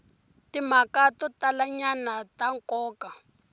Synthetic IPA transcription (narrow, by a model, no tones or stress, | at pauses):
tim̤akatɔtalaɲanataŋkɔːka